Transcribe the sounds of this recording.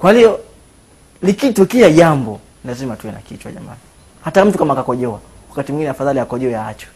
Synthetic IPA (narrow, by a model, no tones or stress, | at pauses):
kwaliɔ | likitukiaʄambɔ | lazimatuɛna̰kitwa̰ʄa̰ma̰ni | hatam̩tukamakakɔʄɔwa | wakatimuŋɡinɛafaðaliakɔʄɔɛjaat͡ʃɛ̥